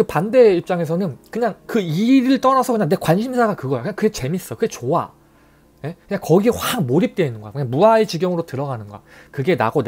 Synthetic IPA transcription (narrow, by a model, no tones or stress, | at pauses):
kɯpande̞ip̚t͡ɕ͈aŋe̞s̬ʰʌnɯnkɯɲaŋkɯiɾɯɭt͈ʌnasʰʌkɯɲaŋne̞kwanɕʰimsʰaɡakɯɡʌjokɯɲaŋkɯɡe̞t͡ɕe̞mis͈ʌkɯɡe̞t͡ɕoa | je̞kɯɲaŋkʌɡieɸwaŋmoɾip̚t͈weinɯnɡoa̰kɯɲaŋmuaet͡ɕiɡjʌŋɯɾotɯɾʌɡanɯnɡoa̰kɯɡe̞na̰ɡon